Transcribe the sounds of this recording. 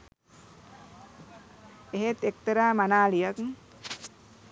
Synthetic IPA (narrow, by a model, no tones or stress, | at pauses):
eɦet̪ek̚t̪əɾaːmanaːlijakŋ